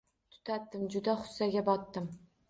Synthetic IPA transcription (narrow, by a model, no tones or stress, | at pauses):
t̪ʰʊ̥t̪ʰat̪ːɪmd͡ʒʊd̪aχʊ̥sːaɡʲabɒt̪ːɪm